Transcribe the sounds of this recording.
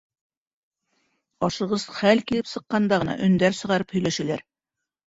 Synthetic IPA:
ɒʃɤ̆ʁɤzχælkilɘpsɤ̆qːɑnd̪ɑʁɤ̆nɑ̰ʔɵ̆nd̪æɾsɤ̆ʁɑɾɤphɵ̆læʃɘ̆læɾ

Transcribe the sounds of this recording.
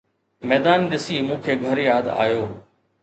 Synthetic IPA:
mɛːd̪aːnɗɪsiːmũːkʰeːɡʱɐɾjaːd̪a̰ːjoː

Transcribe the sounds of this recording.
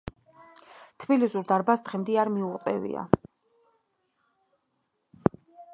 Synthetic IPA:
t̪ʰbilisuɾd̪aɾbasd̪̥ʁɛmd̪iaɾmiuʁʼt̪sʼɛ̰vḭa̰

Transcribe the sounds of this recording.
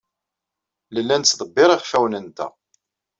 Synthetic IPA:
ləlːænt̪t͡sːðˤəbːɪɾˤiχfæwnənt̪æ̰

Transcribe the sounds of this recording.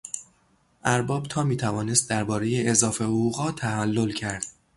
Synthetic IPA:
ʔæɾbɒːb̥̚t̪ʰɒːmiːt̪ʰævɒːne̞st̪̚d̪æɾbɒːɾeje̞ezɒːfe̞hoɣuːɣɒːt̪ʰæhælːo̞lcʰæɾd̪̥

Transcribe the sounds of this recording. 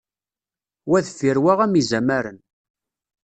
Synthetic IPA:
wæðfiɾwaʁæmizæmæɾən

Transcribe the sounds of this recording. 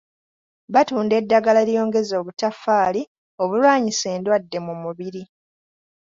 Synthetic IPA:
βatuːnde̞dːaɡalaljo̞ːŋɡe̞zo̞ːβutafaːli | o̞βulwaːɲise̞ːndwadːe̞mumuβiɾi

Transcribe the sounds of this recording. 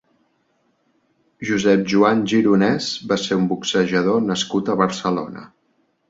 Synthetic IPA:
ʒuzɛp̚ʒuanʲʒiɾunɛzbaseumbuksəʒəðonəskut̪əβəɾsəlo̰nə̰

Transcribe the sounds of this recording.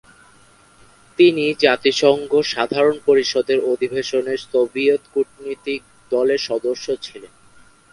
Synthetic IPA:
t̪inid͡ʑat̪iʃɔŋɡʱoʃad̪ʱaɾonpoɾiʃɔd̪eɾod̪ʱibʱeʃoneɾsobiot̪kuʈnit̪ik̚ | d̪ɔleɾʃɔd̪oʃːot͡ɕʰilen

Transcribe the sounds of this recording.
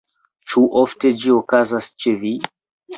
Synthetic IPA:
t͡ʃuʔofte̞d͡ʒiokazast͡ʃevi

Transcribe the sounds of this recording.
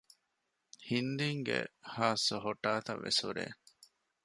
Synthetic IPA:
hind̪iŋɡḛhaːsoɦoʈːaːt̪ɐʋːʔesuɾḛː

